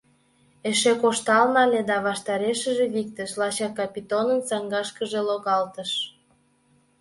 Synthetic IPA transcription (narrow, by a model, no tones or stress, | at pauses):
eʃekoʃt̪ɑlnɑlʲed̪ɑβɑʃt̪ɑɾeʃəʒĕβik̚t̪əʃlɑɕɑkɑpit̪onənt͡sɑŋɡɑʃkəʒeloɣɑlt̪ə̆ʃ